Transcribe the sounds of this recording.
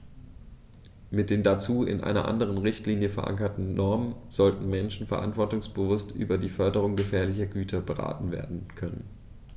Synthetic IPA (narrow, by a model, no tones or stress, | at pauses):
mɪt̚d̥eːndat͡suːɪ̰nʔa̰ɪnɐ̰ʔa̰ndəʁ̞ənʁɪçtliːnjəfɛɐʔa̰ŋkɐtn̩nɔɐmənz̥ɔltn̩mɛnʃn̩fɛɐʔa̰ntv̥ɔɐtʊŋsb̥əvʊstʔy̰ːbɐdiːfœɐdəʁ̞ʊŋɡəfɛːɐlɪçɐɡyːtʰɐbəʁa̰ːtn̩vḛːɐdn̩kʰœnə̰n